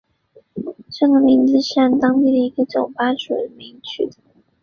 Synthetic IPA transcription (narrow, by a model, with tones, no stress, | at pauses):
ʈ͡ʂɤ˥˩ɡə˩mi˧˥ŋt͡sɹ̩˥˧ʂ̩˥˩nt̪ɑ˥ŋt̪i˥˩d̪ə˩i˧˥ɡə˧ʈ͡ʂʊ˨˩ŋpa˥nʂṵ˨˩ə˦mi˧˥ŋt͡ɕʰy̰˥d̪ə˩